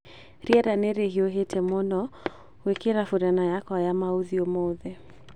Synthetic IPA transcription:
ɾiaɾanɛɾeɦioɦetʰɛmɔnɔ | wekeɾafuɾanajakɔajamauðiɔmɔðɛ

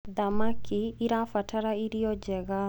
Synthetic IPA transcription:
d̪amakʰiːɾafatʰaɾaiɾiɔd͡ʒɛɣa

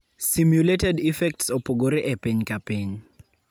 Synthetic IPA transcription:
simjuletɛdifɛk̚tsɔpoɡoɾiʔɛpɪɲkapiɲ

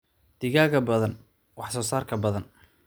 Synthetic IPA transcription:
d̪̥ɪɣaːɣɐbɐðɐn | wɑħsɔːsaːrkʰɐbɐðɐn

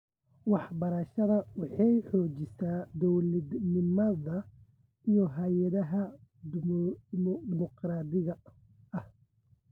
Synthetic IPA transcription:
wɑħbɐɾɐʃɐðɐwɑħɑjħɔːt͡ʃɪsʰaːd̪ɔwlɐd̪nɪmɐðɐ | ijɔɦɐjɐðɐɦɐ | d̪ɪmɔqraːd̪ɪɣɐ | ʔɐh

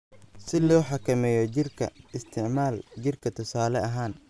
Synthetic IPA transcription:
sɪlɔːħɑkʰɐmɛːjɔt͡ʃɪrkʰɐ̰ɪst̪ʰɪʕmaːlt͡ʃɪrkʰɐt̪ʰʊsaːlɛɐɦaːn

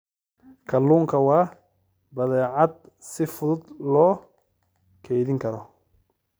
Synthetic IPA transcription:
kʰɐlːuːŋkʰɐwɑː | bɐðɛːʕɑd̪̚ | sɪfʊðʊd̪lɔː | kʰɛjðɪŋkʰɐɾɔ

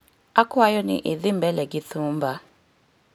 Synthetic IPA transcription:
akʊajɔnɪ̰ʔeðɪm̩bɛlɛɡɪθuːm̩ba

